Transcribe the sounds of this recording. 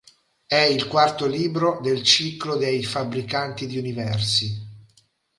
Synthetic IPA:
ɛilkwart̪oliːbɾod̪elt͡ʃiklod̪ejfabɾikant̪id̪iunivɛrsi

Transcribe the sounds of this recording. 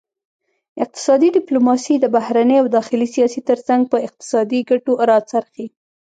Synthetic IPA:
ɪq̚t̪ɪ̥sɑd̪iɖɪplomɑsid̪əbahɾanəjawd̪ɑxɪlisijɑsit̪əɾsaŋɡ̚pəɪq̚t̪ɪ̥sɑd̪iɡaʈoɾɑt͡saɾxi

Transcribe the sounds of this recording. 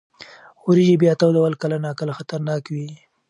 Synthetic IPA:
uɾiʒibjɑt̪awd̪awalkalanɑkalaxat̪aɾnɑkwi

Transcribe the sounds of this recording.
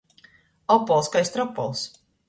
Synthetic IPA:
ɔpːɔlˠskajst̪ɾɔpːɔ̰lˠs

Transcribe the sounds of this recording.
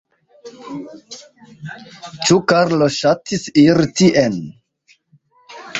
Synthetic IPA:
t͡ʃukaɾloʃatisiɾtiʔen

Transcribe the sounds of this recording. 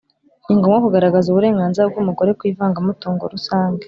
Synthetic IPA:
iŋɡo̞mŋakuɡaɾaɡazuβuɾe̞ːŋɡaːnziɾab̚ɡumuɡo̞ɾekwiːvaːŋɡamutuːŋɡo̰ɾusaːŋɡḁ

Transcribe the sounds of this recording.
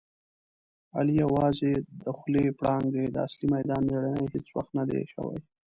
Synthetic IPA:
a̰lijawɑzed̪əxlepɽɑŋɡd̪ed̪əaslimajd̪ɑnmeɽanajhet͡swa̰xt̪nad̪ḛʃə̰wa̰j

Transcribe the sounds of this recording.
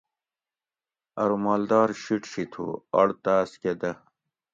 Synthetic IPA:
ɐɾumaːld̪ɑːɾɕiʈɕit̪ʰṵɐ̰ɽt̪asked̪ɐ

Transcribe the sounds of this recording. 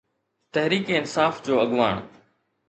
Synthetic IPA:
t̪ɐɦɾiːkeːɪnsaːfd͡ʑoːɐɠʋaːɳ̃

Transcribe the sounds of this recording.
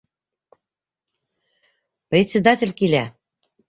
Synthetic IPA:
prʲetʲt͡sʲed̪ɑt̪ʲĕlʲkilʲæ

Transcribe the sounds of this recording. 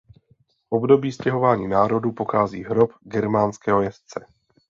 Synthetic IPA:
ʔobdo̞biːscɛɦo̞vaːɲiːnaːɾo̞dupoxaːziːɦɾopɡɛɾmaːnskɛːɦojɛst͡sɛ

